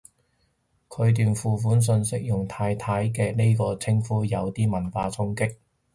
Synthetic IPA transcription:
kʰɵ˨˧ɥt̪̬yː˨nfuː˨˩fuː˨˥ns̬ɵ˧nsɪ˥k̚jʊ˨˩ŋt̪ʰaː˧jt̪ʰaː˨˥jkɛː˧ne˥jkɔː˧t͡sʰɪ˥ŋfuː˨˥jɐ˨˧wt̪iː˥mɐ˨˩nfaː˧t͡sʰʊ˥ŋkɪ˥k̚

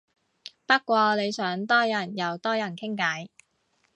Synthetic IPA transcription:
pɐ˥kʷɔː˧le˨˧jsœː˨˥ŋt̪ɔː˥jɐ˨˩njɐ˨˧wt̪ɔː˥jɐ˨˩nkʰɪ˥ŋkɐ˨˥j

